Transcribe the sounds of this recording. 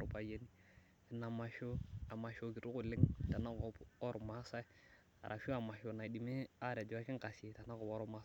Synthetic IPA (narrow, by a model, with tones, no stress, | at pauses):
ɾpa˨je˦ni˦ | i˨na˨ma˨ʃo˦a˨ma˨ʃo˨˦ki˨ɾu˦ku˨lɪ˦ŋta˨na˦kɔ˨ɔ˦ɾɔ˨ma˦sa˦i˦ | a̰˨ɾʔa˨fo˦a˨ma˨ʃo˨na˨di˨me˦a˦ɾe˨d͡ʒo˨a˦kɪ˦ŋ˦ka˨se˨ta˨na˦kɔ˨pɔ˦ɾɔ˦ma˨˦